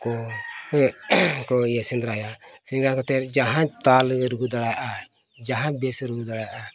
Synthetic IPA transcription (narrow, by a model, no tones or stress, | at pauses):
kɔ | kɔjesind̪ɾajasindɾakɔt̪ɛɾd͡ʒaɦãt̪alɾuɡud̪aɽajʔa | d͡ʒaɦãbɛsɾuɡud̪aɽaja